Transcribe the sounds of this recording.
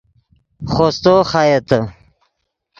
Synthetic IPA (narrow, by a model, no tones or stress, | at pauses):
χost̪oːxajet̪ə